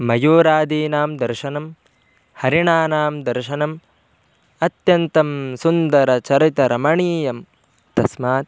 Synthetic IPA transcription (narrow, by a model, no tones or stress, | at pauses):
mɐjuːɾaːd̪iːnaːmd̪ɐɾʃɐnɐm | hɐɾiɳaːnaːmd̪ɐɾʃɐnɐm | ɐt̪jɐnt̪ɐmsund̪ɐɾɐt͡ʃɐɾit̪ɐɾɐmɐɳiːjɐm | t̪ɐsmaːt̪̚